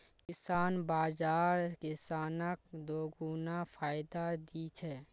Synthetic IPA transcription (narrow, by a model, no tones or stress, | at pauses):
kɪsaːnbaːzaːɾkɪsaːnəkd̪oːɡuːnafʰaːɪd̪ad̪iːt͡ʃʰɛː